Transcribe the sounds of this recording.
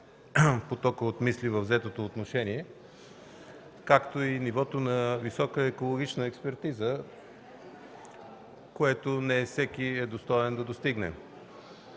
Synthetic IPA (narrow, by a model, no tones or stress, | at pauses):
pot̪ɔkəot̪mislivəvzɛt̪ot̪oːt̪noʃɛniɛ | kakt̪oinivɔt̪onɐvisɔkəɛkolˠoɡʲit͡ʃnəɛkspɛɾt̪izə | koɛt̪onɛsɛkiɛd̪ost̪ɔɛnd̪ɐd̪ost̪iɡnɛ̰